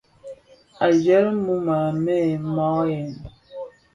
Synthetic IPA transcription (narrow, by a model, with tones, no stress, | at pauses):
a˨d͡ʒɛ˦ɾmu˦ma˨mɛ˦˨mɔ˦jɛ˨n